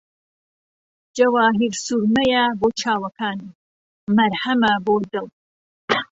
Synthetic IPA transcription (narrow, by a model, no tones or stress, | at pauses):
d͡ʒɐwaːɦiɾsuɾmɐjaboːt͡ʃʰaːwɐkʰaːni | mɐɾhɐmɐboːd̪ɨl